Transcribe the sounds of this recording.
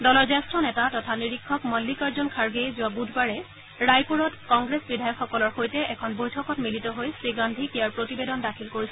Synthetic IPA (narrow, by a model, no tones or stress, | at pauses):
dɔlɔɹzɛstɹɔnɛtatɔtʰaniɹikʰːɔkmɔlːikaɹzɔnkʰaɹɡejzʊabudʱbaɹɛ | ɹajpuɹɔtkɔŋɡɹesbidʱajɔkxɔkɔlɔɹxojtɛʔɛkʰɔnbojtʰɔkɔtmilitɔɦojsɹiɡandʱikijaɹpɹotibedɔndakʰilkoɹisɛ